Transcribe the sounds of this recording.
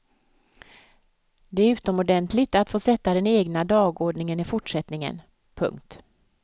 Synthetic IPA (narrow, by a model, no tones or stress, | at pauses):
d̪ɛæɾʉ̟ːt̪ɔmɔɖɛnt̪ʰlɪɡt̪at̪foːsɛt̪ːad̪ɛneːɡnad̪ɑːɡoːɖɳɪŋənɪfʊʈʂɛt̪nɪŋə̰n | pʰɵ̰ŋkt̪